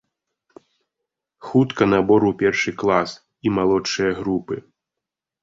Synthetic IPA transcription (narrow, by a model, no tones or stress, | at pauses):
xut̪kɐnabɔɾuwpʲɛrʂɨklˠas | imalˠɔt͡ʂːɨjɐɣɾupɨ